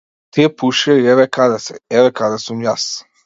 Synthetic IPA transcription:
t̪epuʃɛiɛvɛkad̪asɛ̰ɛvɛkad̪asumjas

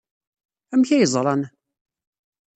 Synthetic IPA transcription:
æmçæjəzˤɾˤɑn

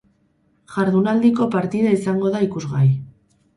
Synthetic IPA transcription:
ʝaɾðunald̪iko̞paɾt̪iðaisaŋɡo̞ðaikuzɣaj

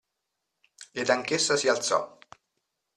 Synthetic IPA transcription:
ed̪aŋkesːasialt̪sɔ̰

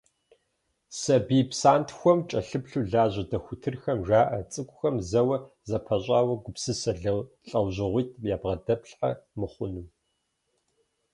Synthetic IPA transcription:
sɐbiːpsaːntʰxʷɔmt͡ʃʼɐɬɨpɬuːɮaːʑɐdɐxʷʊtʰɨrxɐmʒaːʔɐt͡sʼɨkʷʼʊxɐmzɐwɐ | zɐpʰɐɕʼaːwɐɡʷʊpsɨsɐɮɐɬʼɐwʑɪʁʷit̚ʰjaːbʁɐdɐpɬħa̰mɨχʷʊnɨm

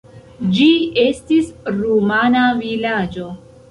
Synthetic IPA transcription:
d͡ʒiestisɾumanavilad͡ʒo

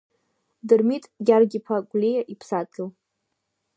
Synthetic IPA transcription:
dɨrmitʼɡʲarɡʲipʰaɡʷʼlʲijaʔipʰsatʰʼɨw

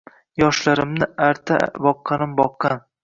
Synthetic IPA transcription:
jɒʃlaɾɪmnɪaɾt̪ʰa̰bɒqʰːɑnɪmbɒqːɑn

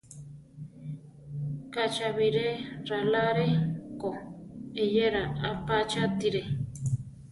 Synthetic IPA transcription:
kat͡ʃaβiɾeɾalaɾekoejeɾaapat͡ʃat̪iɾe

